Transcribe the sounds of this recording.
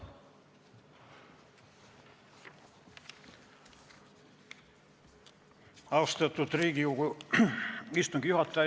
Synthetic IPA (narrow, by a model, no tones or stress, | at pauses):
ɑst̪et̪ːut̪riːkiuku | ist̪uŋɡ̥ijuhɑt̪ːæ